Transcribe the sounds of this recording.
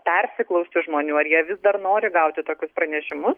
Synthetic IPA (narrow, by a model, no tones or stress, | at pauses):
pʲɛɾʲsʲɪklˠɐʊsʲt̪ʲɪʒmoːnʲuːɐrjiɛʋʲɪzd̪ɐrnoːɾʲɪɡɐʊt̪ʲɪt̪oːkʲʊspɾɐnʲɛʃʲɪmʊs